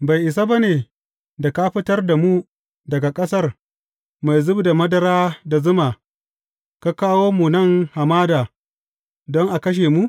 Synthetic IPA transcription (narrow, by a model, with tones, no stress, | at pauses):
ba˨jʔɪ˨s̬a˦ba˦neː˨ | da˨ka˦ɸɪ˦tɐ˦rda˨mu˦ | dɐ˨ɡa˨kʼɐ˦sɐ˦r | ma˨jzʊ˦bda˨mɐ˦dɐ˦ɾaː˦da˨zʊ˦maː˨ | ka˦kaː˦woː˦mu˨nɐ˦˨ŋha˨maː˦daː˨ | dɔ˦ŋʔa˨kɐ˦ʃ̬eː˨mu˦ʔ